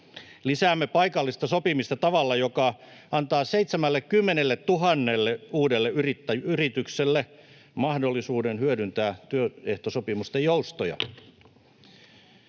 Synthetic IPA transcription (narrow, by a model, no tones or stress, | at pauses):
lisæːmːepɑikɑlːist̪ɑsopimist̪ɑt̪ɑʋɑlːɑjokɑ | ɑnt̪ɑːseit̪semælːekkymːenelːet̪t̪uɦɑnːelːeuːdelːeyrit̪ːæjyyrit̪ykselːe | mɑhdolːisuːdenhyødynt̪æːt̪yøeht̪osopimust̪ejoust̪ojɑ̰